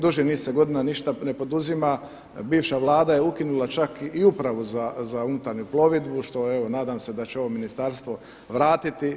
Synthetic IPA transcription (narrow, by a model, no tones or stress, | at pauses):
d̪uʒiniːsːeɡo̞d̪inaniʃt̪ane̞po̞d̪uzima | biːʋʃaʋlˠaːd̪aje̞ukinulˠat͡ʃakiupɾaʋuzazaunut̪aɾɲuplˠo̞ʋid̪buʃt̪o̞eʋo̞naːd̪aːmse̞d̪at͡ɕeo̞ʋominist̪aɾst̪ʋo̞ | ʋɾaːt̪it̪i